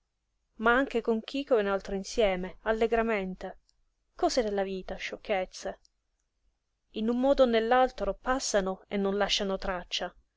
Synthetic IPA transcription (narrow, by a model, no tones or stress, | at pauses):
maaŋk̟ekoŋk̟ikoenalt̪ɾoinsjɛːmealːeɡɾament̪e | kɔːzed̪elːaviːt̪aʃːokʰːet̪sːe | inumːɔːd̪onelːalt̪ɾopasːanoenːonlaʃːanot̪ɾat͡ʃːa